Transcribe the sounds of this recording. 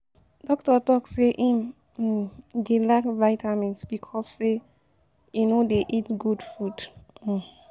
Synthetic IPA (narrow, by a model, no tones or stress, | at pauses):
dɔk̚tɔtɔkseʔĩm̩ | delakvaɪtʰamɛ̃ntsb̥ikʰɔse | junodeʔitɡudfud̥̩